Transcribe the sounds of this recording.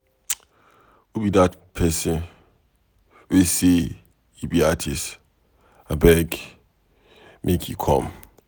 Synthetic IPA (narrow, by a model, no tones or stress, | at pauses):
ubidatpʰɛsɛn | ese | ibiatʰist | abɛɡ | mʔekʰḭkʰɔ̰m